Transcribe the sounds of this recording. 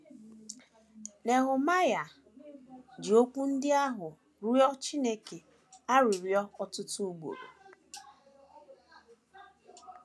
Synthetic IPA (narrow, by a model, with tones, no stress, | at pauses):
ne˨ɦʊ˨ma˦ja˨ | d͡ʒɪ˨o˦k͡pu˦n̩˦dɪ˦a˦ɦʊ˨ | ɾɔ˦t͡ʃi˦ne˦ke˨ | a˦ɾʊ˨ɾjɔ˦ɔ˦tʊ˦tu˦u˦ɡ͡bo̰˨ɾo̰˨